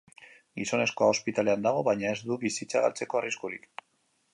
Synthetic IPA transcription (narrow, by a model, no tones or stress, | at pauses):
ɡiso̞ne̞sko̞aospit̪aleand̪aɣ̞o̞βajɲaezd̪uβisit͡saɣa̰lt͡se̞ko̞ariskuɾik